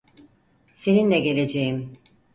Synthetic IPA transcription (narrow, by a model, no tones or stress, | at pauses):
se̞ninlʲɛɟe̞lʲe̞d͡ʒejim